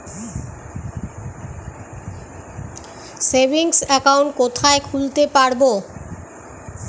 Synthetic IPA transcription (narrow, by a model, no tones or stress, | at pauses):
sebʱiŋsɛkawɳʈ̚kot̪ʰaekʰult̪epaɽbo